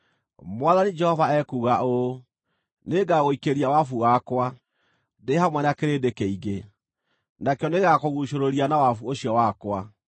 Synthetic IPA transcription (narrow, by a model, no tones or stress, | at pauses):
mwaðanid͡ʒɛhɔvaɛkuːɣao | neɡaɣoikeɾiawafuwakwa | dehamwɛnakeɾedekɛiɣe | nakeɔneɣakoɣuʃoɾoɾianawafuoɕiɔwakwa